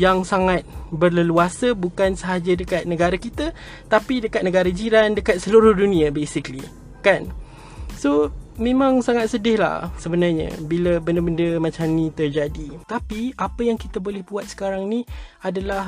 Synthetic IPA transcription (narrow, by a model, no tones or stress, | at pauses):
jaŋsaŋat̪̚bərləluasəbukansəɦad͡ʒədəkat̪̚nəɡaɾakit̪ə | t̪apidəkat̪̚nəɡaɾəd͡ʒiɾandəkat̪̚səluɾʊhdunĩabesikli | kan | somẽmãŋsaŋat̪̚sədɪhla̰hsəbənarɲə̰̃biləbəndəbəndəmãt͡ʃamnĩt̪ərd͡ʒadit̪apiapəjaŋkit̪əbolɛhbuat̪̚sə̥kaɾaŋnĩadalah